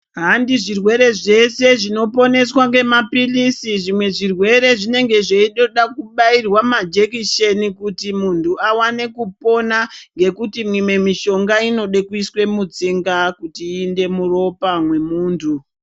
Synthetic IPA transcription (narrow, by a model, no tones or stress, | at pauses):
ɦandiʐirwe̞ɾe̞ʐe̞se̞ʐino̞po̞ne̞swaŋɡe̞mapilisiʐimwe̞ʐirwe̞ɾe̞ʐine̞ŋɡe̞ʐeiɗoɗakuɓairwamad͡ʒe̞kiʃe̞nikutimuntuawane̞kupo̞naŋɡe̞kutimwime̞miʃo̞ŋɡaino̞ɗe̞kuiswe̞mud͡ziŋɡakutiːnde̞muro̞pamwe̞muːntʰu